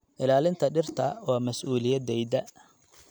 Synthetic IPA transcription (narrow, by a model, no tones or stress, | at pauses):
ʔɪlaːlɪnt̪ʰɐɖɪrt̪ʰɐwaːmɐsʔuːlɪjɐd̪ɛjd̪ɐ